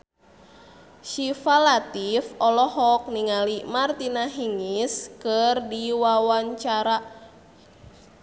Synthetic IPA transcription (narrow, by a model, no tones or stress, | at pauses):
ʃifalat̪ifɔlɔhɔk̚niŋalimart̪inaɦiŋiskərdiwawaɲt͡ʃaɾa